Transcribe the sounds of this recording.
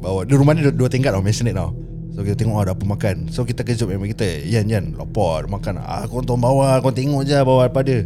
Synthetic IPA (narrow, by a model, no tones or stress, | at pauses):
bawadiɾumaniduət̪eŋkat̪̚ɔmɛnsənət̪̚nɔ̰ | sokit̪ət̪eŋɔʔadapəmakansokit̪əkəd͡ʒʊʔ̚memãŋkit̪əijanjanlo̰pɔmakan̰a̰kɔnt̪ɔŋbawakɔnt̪eŋɔʔd͡ʒabawapadə